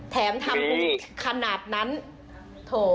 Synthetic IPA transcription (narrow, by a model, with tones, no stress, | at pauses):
t̪ʰɛː˩˦mt̪ʰa˧mbu˦˥kʰa˧naː˨˩t̪̚na˦˥n | t̪ʰoː˧˩